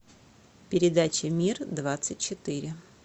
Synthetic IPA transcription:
pʲɪɾʲɪd̪at͡ɕɪmʲird̪vat̪sɨt̚ʲt͡ɕɪt̪ɨɾʲɪ

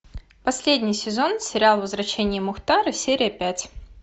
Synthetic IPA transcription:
pɐsʲlʲedʲnʲɪjsʲɪzo̞nsʲɪɾʲɪalˠvəzvɾɐɕenʲɪjəmʊxt̪aɾɨsʲeɾʲɪjəpʲætʲ

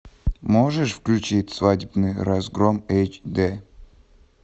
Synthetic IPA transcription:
moʐəʂfklʲʉt͡ɕitʲsvadʲɪbnɨjɾɐzɡɾomejt͡ɕd̪ɛ

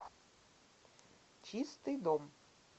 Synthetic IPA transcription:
t͡ʃist̪ɨjd̪ɔm

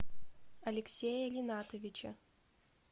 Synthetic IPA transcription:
ɐlʲɪksʲejəlʲɪnat̪əvʲɪt͡ɕə̰

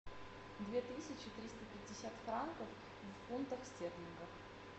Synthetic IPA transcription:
d̪vʲet̪ɨsʲɪt͡ɕɪt̪ɾʲist̪əpʲɪdʲːɪsʲat̪fɾankəf | vfunt̪əxsʲtʲeplʲɪnɡəf

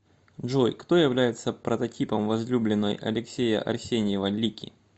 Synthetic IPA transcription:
ʐojkt̪o̞jɪvlʲæjɪt̪səpɾət̪ɐtʲipəmvɐzlʲublʲɪnːə̰jɐ̰lʲɪksʲejə̰ʔɐ̰rsʲenʲɪjɪvəlʲːikʲɪ̰

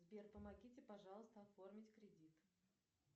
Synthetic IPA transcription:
zbʲerpəmɐɡʲitʲɪpɐʐɑlˠəst̪əɐfo̞rmʲɪtʲkɾʲɪdʲit̪

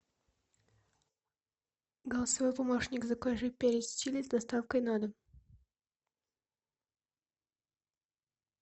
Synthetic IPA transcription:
ɡəlˠəsɐvojpɐmoʂnʲɪkzɐkojʐɨpʲeɾʲɪt̪ʲsʲtʲilʲɪzd̪ɐst̪afkəjnad̪ə

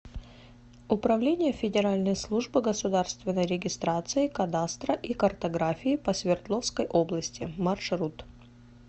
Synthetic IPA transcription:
ʊpɾɐvlʲenʲɪjəfʲɪdʲɪɾalʲnəjslˠuʐbɨɡəsʊd̪arst̪vʲɪnːəjɾʲɪɡʲɪst̪ɾat̪sɨɪkɐd̪ast̪ɾəʔikɐrt̪ɐɡɾafʲɪɪpəsʲvʲɪrt̪lˠofskəjʔo̞blˠəsʲtʲɪmɐrʂɾut̪

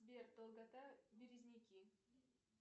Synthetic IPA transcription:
bʲert̪olˠɡat̪abʲiɾʲizʲnʲikʲi

